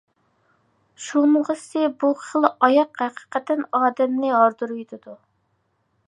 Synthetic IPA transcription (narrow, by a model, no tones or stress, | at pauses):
ʃunəʁəsɨbuχəlˠɑjɑqhæqʰə̥qɛt̪ʰɛnɑːd̪ɛmnɪɦɑɾd̪uɾujt̪ʰɪd̪u